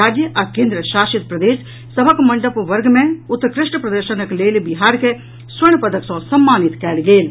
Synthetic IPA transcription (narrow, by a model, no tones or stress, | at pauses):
aːd͡ʒjəʔɐkẽːnd̪ɾəʃaːʃɪt̪̚pɾɐd̪eːʃ | sɐbʱəkmɐ̃ɳɖəpʋɐɾɡmẽʊt̪ːkɾɪʃʈəpɾɐd̪əɾʃənəkleːlbɪɦaːɾkʰe | sʋɐɽ̃pɐd̪əksõsɐmːaːnɪt̪kɛːlɡeːl